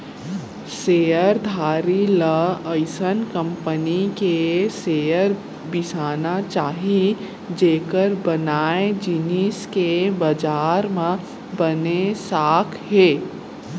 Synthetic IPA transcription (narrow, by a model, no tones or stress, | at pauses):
seːjəɾd̪ʱaːɾiləəɪsənkə̃mpənikeseːjəɾ | bɪsaːnat͡ʃaːɦi | d͡ʒeːkəɾbənaːẽd͡ʒɪniːskebəd͡ʒaːɾmẽ | bənesaːkʰɦeː